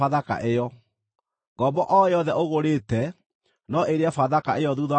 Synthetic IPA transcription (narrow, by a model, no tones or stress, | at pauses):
aðaka̰ʔejɔ | ɡɔbɔʔɔjɔðɛʔoɣoɾeːtɛ | nɔʔeɾeafaðakaʔejɔðuða